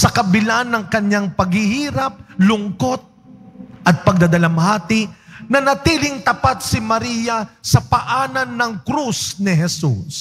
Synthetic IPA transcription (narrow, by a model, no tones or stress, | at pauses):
sɐkɐbɪlanːɐŋkɐɲaŋpɐɡhɪhiːɾɐp̚lʊŋko̞t̪̚ | ʔɐt̪̚pɐɡ̚d̪ad̪ɐlamhaːt̪ɪnɐnɐt̪iːlɪŋt̪ɐpat̪̚sɪmɐɾiːjɐsɐpɐʔaːnɐnːɐŋkɾusnɪɦɛsṵs